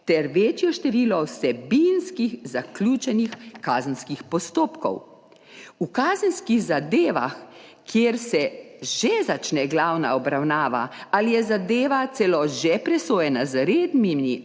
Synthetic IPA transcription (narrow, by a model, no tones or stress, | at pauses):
t̪ɛɾʋeːt͡ʃjɔʃt̪ɛʋiːlɔwsɛbinskiɣzaklʲuːt͡ʃɛnixkazənskixpɔst̪oːpkɔ̰w | ukaːzənskiɣzad̪eːʋa̰x | kjeːɾsɛ | ʒezat͡ʃnɛɡlawnaɔbɾawnaːʋa̰alijɛzad̪eːʋat̪sɛlɔʒepɾɛsoːjɛnazɾeːd̪mimi